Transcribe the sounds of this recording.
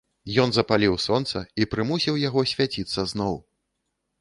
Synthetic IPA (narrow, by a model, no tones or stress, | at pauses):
jɔnzɐpalʲiwsɔnt̪sɐipɾɨmusʲiwjaɣɔsʲvʲat͡sʲit̪sːɐznɔw